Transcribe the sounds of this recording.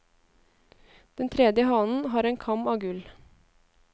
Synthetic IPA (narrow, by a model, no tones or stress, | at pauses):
d̪̥ɛnt̪ʰɾɛd̪jəhɑnn̩ɦɑːɾɛːnkʰɑmɑːɡʉl